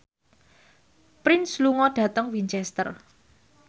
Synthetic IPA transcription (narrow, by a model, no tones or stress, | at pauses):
pɾɪnsluŋɔɖ̥ä̤t̪əŋwint͡ʃɛst̪ə̰r